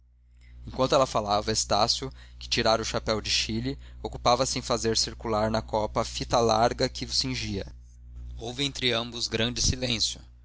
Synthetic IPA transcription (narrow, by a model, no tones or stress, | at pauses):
ẽkʷwʷɐ̃nt̪ʊɛlɐfalavɐest̪asjʊkɪ̥t͡ʃiɾaɾʊʃapɛwd͡ʒɪʃilɪokupavɐsɪẽj̃fazeɾsiɾkulaɾnɐkɔpɐfit̪ɐlaɾɡɐkɪʊsĩʒiɐ | owvɪẽnt̪ɾɪɐ̃bʊzɡɾɐ̃nd͡ʒɪsilẽsjʊ